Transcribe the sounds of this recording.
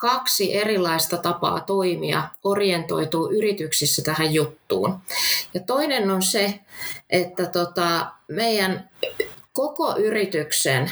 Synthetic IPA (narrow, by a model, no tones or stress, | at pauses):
kɑksiʔerilːˑɑist̪ɑt̪ɑpɑ̰ːt̪oimiɑ̰orient̪o̰it̪uːʔyrit̪yksisːæt̪æhæjjut̪ːṵːnjɑt̪oinenːonseʔet̪ːæt̪ot̪ɑmeijæn | kokoʔyrit̪yksḛn